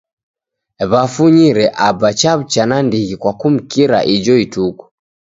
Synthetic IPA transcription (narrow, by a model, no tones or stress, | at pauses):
βafuɲiɾɛʔabat͡ʃaβt͡ʃanandiɣikwakum̩kiɾa̰ʔid͡ʒɔituku̥